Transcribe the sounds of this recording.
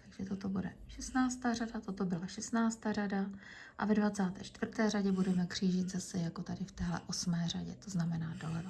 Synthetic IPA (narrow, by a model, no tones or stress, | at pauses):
t̪aɡʒ̥ɛt̪o̞t̪o̞budɛ̰ʃɛst̪naːt͡st̪aːradat̪o̞t̪obɪlaʃɛst̪naːt͡st̪aːrada | ʔa̰vɛdvat͡saːt̪ɛ̰ːt͡ʃt̪vr̩t̪ɛːraɟɛbudɛmɛkr̝̥iːʒit̪zasɛjako̞t̪adɪft̪ɛːɦlɛ̰ʔo̞smɛːraɟɛ̰t̪o̞znamɛnaːdo̞lɛvo